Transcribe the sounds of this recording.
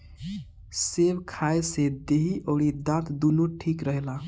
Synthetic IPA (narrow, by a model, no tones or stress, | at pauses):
sebkʰaesed̪eɦiʔəɽid̪ãt̪d̪unuʈʰikɾəɦla